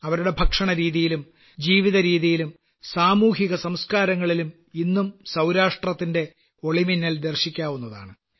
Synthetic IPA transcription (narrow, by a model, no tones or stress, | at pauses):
ɐʋɐɾuɽe̞bʱɐkʂɐɳɐɾiːðijilum | d͡ʑiːʋiðɐɾiːðijilum | saːmuːɦiɣɐsɐmskaːɾɐŋːɐɭilum | inːumsɐwɾaːʂʈrɐt̪ːinde̞ | o̞ɭiminːɐld̪erɕikʲːaːʋun̪ːɐða̰ːɳɨ